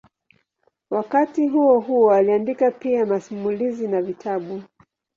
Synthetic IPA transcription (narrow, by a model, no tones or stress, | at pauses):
wakatiɦuɔɦuɔaliandikapiamasumulizinavitʰaɓu